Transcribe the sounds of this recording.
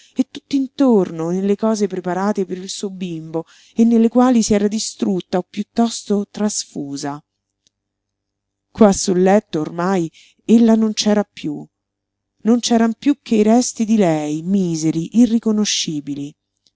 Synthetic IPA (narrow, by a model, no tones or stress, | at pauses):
et̪ːut̪ːint̪ornonelːekɔːzepɾepaɾaːt̪epeɾilsuːobimbo | enːelːekwaːlisiɛːɾad̪ist̪ɾut̪ːaopːjut̪ːɔst̪ot̪ɾasfuːza | kwasːulːɛt̪ːoːrmaj | elːanont͡ʃɛːɾapju | nont͡ʃɛːɾampjukʰːeiɾɛst̪id̪ilɛjmiːzeɾiʔirːikonoʃːiːbili